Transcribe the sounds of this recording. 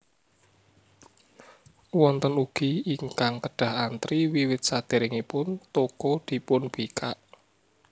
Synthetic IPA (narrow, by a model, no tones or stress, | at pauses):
wɔnt̪ənuɡ̥iiŋkaŋkəɖ̥a̤ɦant̪ɾiwiwɪt̪̚sad̪̥e̤ɾɪŋipʊnt̪okod̪̥i̤pʊnb̥ikʰaʔ